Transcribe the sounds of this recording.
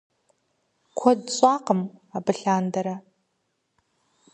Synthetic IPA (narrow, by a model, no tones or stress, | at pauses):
kʷʰadt͡sʼaqʼəmabɨɬandaɾa